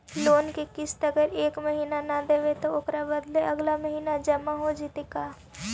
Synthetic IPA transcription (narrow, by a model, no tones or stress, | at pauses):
loːnkekɪst̪ɐɡəɾeːkmɐɦiːnanad̪eːʋet̪oʊkɾabɐd̪leɐɡlaməɦiːnad͡ʒɐmaɦod͡ʒɪt̪ekaː